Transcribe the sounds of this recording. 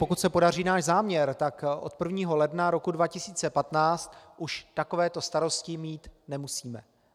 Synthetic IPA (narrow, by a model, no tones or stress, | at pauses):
po̞kut̪sɛpo̞dariːnaːʒzaːmɲɛɾt̪akʔo̞̰t̪̚pr̩vɲiːɦo̞lɛdnaɾo̞kudvacɪsiːt͡sɛpat̪naːt͡st̪ʔuʃt̪ako̞vɛːt̪o̞st̪aɾo̞scɪmiːt̪nɛmusiːmɛ